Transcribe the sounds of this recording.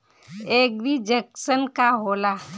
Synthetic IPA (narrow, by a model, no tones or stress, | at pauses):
eːk̚bʱid͡ʒəksənkaɦoːlaː